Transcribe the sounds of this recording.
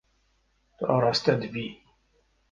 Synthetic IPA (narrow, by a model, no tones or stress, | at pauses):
θɾˤɑst̪æd̪vi